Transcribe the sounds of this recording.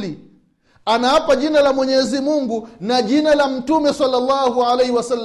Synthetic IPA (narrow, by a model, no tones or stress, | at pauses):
li | anaapaʄinalamwɛɲɛzimuŋɡunaʄinalam̩tumɛsalːalːahualɛjhiwasalː